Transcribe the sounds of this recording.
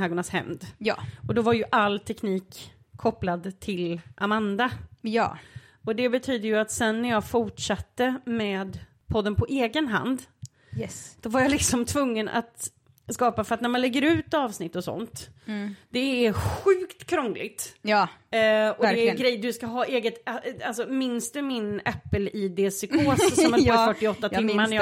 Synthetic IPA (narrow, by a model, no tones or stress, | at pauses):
hæːɡɔɳashɛ̰md̪jːɔd̪ɔvaɾjɵʔalːt̪ʰɛkniːkʰː | ɔpːlad̪t̪ʰɪlʔamand̪ajː | ɔd̪ɛbɛt̪ʰyːd̪əjɵat̪sɛnːæɾjɑːfʊʈʂat̪ːəmɛːd̪ | pʰɔd̪ːənpʰɔʔeːɡənɦa̰nd̪ | jɛd̪̥ɔvaɾjalɪksɔmt̪ʰvɵŋːənʔa̰t̪ | skɑːpafœɾat̪næɾmanlɛɡːəɾʉ̟ːt̪ɑːvsnɪt̪ːɔsɔ̰nt̪ | d̪̥ɛːɾɧʉ̟ːkt̪kʰɾɔŋːlɪ̰ɡt̪j | ɔdɾɛɡɾɛjd̪ɵskaɦɑːʔeːɡət̪als̬ɔmɪnsd̪ɵmɪnɛpːəliːd̪eːsʏkʰoːssɔmɛpɔfœʈːɪɔt̪ːat̪ʰɪmːanj